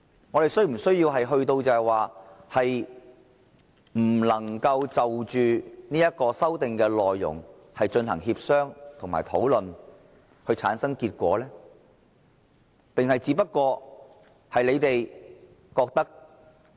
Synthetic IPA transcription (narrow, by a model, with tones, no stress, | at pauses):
ŋɔː˨˧t̪e˨jsɵ˥m̩˨˩sɵ˥ɥjiː˧wɦɐ˨jɦɵ˧ɥt̪o˧wt͡sɐ˨ɛ˨jwaː˨hɐ˨j | m̩˨˩lɐ˨˩ŋkɐ˧wt͡sɐ˨wt͡ʃyː˨niː˥jɐ˥t̚kɔː˧sɐ˥wt̪ɪ˨ŋkɛː˧lɔː˨jːʊ̰˨˩ŋ | hɐ˨jt͡ʃɵ˧nɦɐ̰˨˩ŋhiː˧p̚sœː˥ŋt̪ʰʊ˨˩ŋmaː˨˩t̪ʰo̰˨˥wlɵ˨n | hɵ˧ɥt͡sʰa̰ː˨˥nsɐ˥ŋkiː˧t̚kʷɔ̰ː˨˥lɛː˥ | t̪ɪ˨ŋhɐ˨jt͡siː˨˥pɐ˥t̚kɔː˧ | hɐ˨jle˨˧jt̪e˨j | kɔː˧k̚t̪ɐ˥k̚